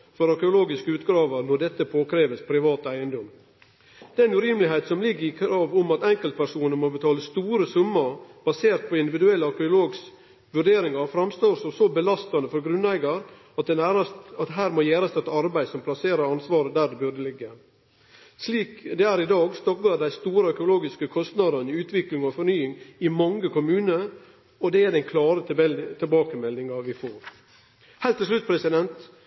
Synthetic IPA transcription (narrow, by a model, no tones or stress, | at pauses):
fɔɾɑɾkəʊloːɡɪskəʉːt̪ɡɾɑːʋəɾnɔɖ̪ɛt̪ːəpʰoːkʰɾeːʋəspʰɾɪʋɑːt̪æɪənd̪ɔm | d̪ɛnʉːɾiːmlɪɦeɪt̪sɔmlɪɡːəɾɪkʰɾɑːʋɔmɑt̪ɛŋkəlt̪̚pæɾʂuːnəmɔbət̪ʰɑːləst̪uːɾəsʉmːəɾb̥ɑseːɾt̪̚pʰɔɪnd̪ɪʋɪd̪ʉɛlːəɑɾkəʊloːɡs | ʋʉɖeːɾɪŋɑɾfɾɑmst̪oːɾsɔmsɔbəlɑst̪ɑnəfɔɾɡɾʉnːæɪɡɑɾ | ɑt̪̚d̪ɛnæːɾɑsɑt̪ɦæːɾmɔjæːɾɑst̪ɛt̪ɑɾbæɪd̪sɔmpʰlɑseːɾɑɾɑnsʋɑːɾəd̪æːɖɛbʉɾɖəlɪɡːə | sliːkd̪ɛæːɾɪd̪ɑːɡst̪ɔk̚ɡɑɖd̪æɪst̪uːɾəœkʊloːɡɪskəkʰɔst̪nɑd̪ɑnɪʉːt̪ʰʋɪklɪŋɔfɔɾɳnyːɪŋɪmɑŋːəkʊmʉːnə | ɔd̪ɛæd̪ɛnkʰlɑːɾət̪ɛt̪ʰɪlbɑːkəmɛlɪŋɑʋɪfoːɾ | hɛlt̪ːɪs̬lʉt̪̚ːpʰɾɛsɪd̪ɛnt̪